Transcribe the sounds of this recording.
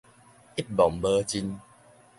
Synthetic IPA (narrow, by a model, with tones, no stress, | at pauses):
i˦˥t̚bɔ˨mbə˧t͡ɕi˧n